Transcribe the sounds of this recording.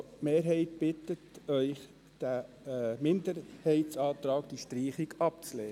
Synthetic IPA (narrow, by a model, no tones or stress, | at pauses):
meːɾɦɛɪtb̥ɪtətœʏχ | d̥æ | mɪndəɾhɛɪtt͡sɑːt̪ɾɑːkd̥iʃtɾiːχiɡɑp̚t͡slɛː